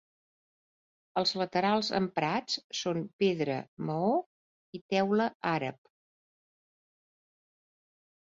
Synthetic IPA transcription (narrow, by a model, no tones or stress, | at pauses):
əlˠzlət̪əɾalˠzə̰mpɾat͡ssonpeðɾə̰məo | it̪ɛwləaɾə̰p̚